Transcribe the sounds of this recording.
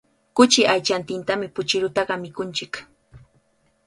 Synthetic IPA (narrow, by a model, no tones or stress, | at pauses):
kʊt͡ʃɪʔajt͡ʃant̪ɪnt̪amɪpʊt͡ʃɪɾʊt̪ɑɢɑmɪkʊnt͡ʃɪk